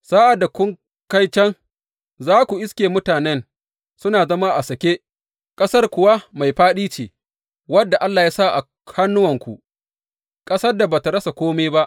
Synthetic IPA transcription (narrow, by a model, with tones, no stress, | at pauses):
saː˦ʔa˨da˨kʷʊ˦ŋ | ka˦jt͡ʃɐ˦ŋ | zaː˦kʷu˨ʔɪ˦skʲeː˨mʊ˦taː˨nɛ˦n | sʊ˦naː˨zɐ˦ma˦ʔa˨sɐ˨kʲe˦ | kʼɐ˦sɐ˦rkʷʊ˨wa˦ma˨jɸaː˦ɗiː˦t͡ʃeː˨ | wɐ˦dːa˨ʔa˦lːaː˨jaː˦sa˦˨ʔa̰˨ | ha˦nːʊ˦wɐ˨ŋkʷṵ˨ʔ | kʼɐ˦sɐ˦rda˨ba˨ta˨ɽɐ˦sa˨kʷoː˦me˦ba˦ʔ